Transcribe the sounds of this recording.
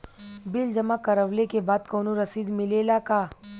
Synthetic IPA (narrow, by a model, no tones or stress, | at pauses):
bɪld͡ʒɐmakɐɾəʋlekebaːd̪koːnoɾɐsiːd̪mɪleːlakaː